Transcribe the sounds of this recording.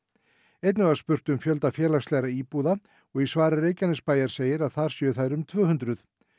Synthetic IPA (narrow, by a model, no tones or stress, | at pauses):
ejt̪nɪvaspʏr̥t̪ʏmfjœl̪t̪afjɛːlakst̪lɛɣɾaiːpuːða | ɔɣisvaːɾarejcanɪspaːjaɾ̥seːjɪɾaðθaɾ̥sjœːθajɾʏmt̪ʰvœːhʏnt̪ɾʏθ